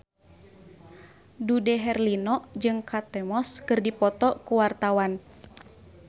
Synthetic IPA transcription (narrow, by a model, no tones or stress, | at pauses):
dudɛɦɛrlinɔd͡ʒɨŋkʰat̪ɛmɔskɨrdipɔt̪ɔkuwart̪awan